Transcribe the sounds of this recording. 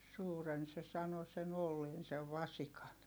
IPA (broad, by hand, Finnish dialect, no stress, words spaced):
suːren se sɑno sen olːeːn seʋ ʋɑsikɑn